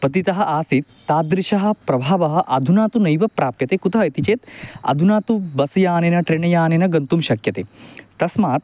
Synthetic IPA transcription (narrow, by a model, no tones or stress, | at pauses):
pɐt̪it̪ɐɦɐ̆ʔaːsit̪ːaːd̪ɾiʃɐɦɐ̆pɾɐbʱaːʋɐɦɐ̆ʔɐd̪ʱunaːt̪unɐjʋɐpɾaːpjɐt̪eːkut̪ɐɦɐit̪it͡ʃeːt̪ɐ̰d̪ʱunaːt̪ubɐsɐjaːnenɐʈɾiɳɐjaːnenɐɡɐnt̪umʃɐkjɐt̪eːt̪ɐsmaːt̪̚